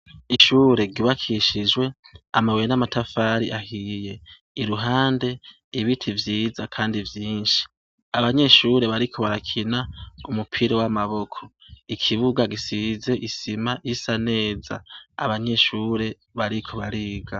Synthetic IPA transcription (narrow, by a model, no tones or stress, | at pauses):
iʃuːɾe̞ɡiβakʰiʃid͡ʒwe̞amawenamatʰafaːɾiʔahije̞ | iɾuɦaːnde̞ | iβitʰivjiːzakʰaːndivjiːnʃi̥ | aβaɲe̞ʃuːɾe̞βaɾikʰo̞βaɾakʰinaumupʰiɾowamaβo̞kʰo̞̥ | ikʰiβuɡaɡisize̞ʔisimaisane̞ːza̰a̰βaɲe̞ʃuːɾe̞ | βaɾikʰo̞βaɾiːɡa